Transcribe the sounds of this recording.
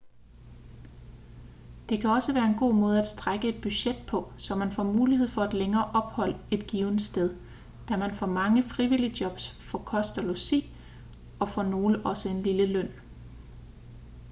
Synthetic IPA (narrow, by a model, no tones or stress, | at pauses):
d̥e̝kʰæɒ̽səʋæːɐe̝nɡ̥o̝̰ːmɔ̽ːð̞ˠæd̥sd̥ʁaɡ̥əe̝d̥̚b̥yɕed̥̚pʰɒ̽sɒ̽mænfɒ̰muːlihe̝ð̰ˠfɒ̽æd̥leŋɐːʔɒ̽b̥hɒ̽l̰əe̝d̥ɡ̥iːʊn̥sd̥eð̞ˠ | d̥æmænfɒ̰mɑ̈ŋəfʁiʋilid̥jɒ̽b̥sfɒ̽kʰɒ̽sd̥ælosḭː | ɒ̽fɒno̝ːləʔɒ̽səe̝nliləlœn̰